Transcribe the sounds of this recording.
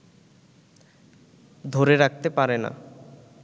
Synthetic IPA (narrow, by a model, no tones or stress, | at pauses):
d̪ʱoɾeɾak̚ʰt̪epaɾena̰